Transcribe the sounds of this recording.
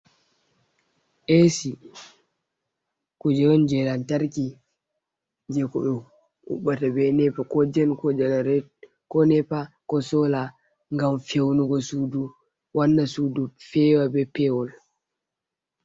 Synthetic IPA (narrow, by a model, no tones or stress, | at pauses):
ʔesi | kud͡ʒɛɾɔnd͡ʒɛlantaɾki | d͡ʒɛkɔɗɔ | ṵɓatabɛnɛpakɔd͡ʒɛnkɔd͡ʒɛlaɾ | kɔnɛpakɔsɔla | ŋɡamfewnuɡɔsuːdu | wanːasudufɛwabɛpɛwɔl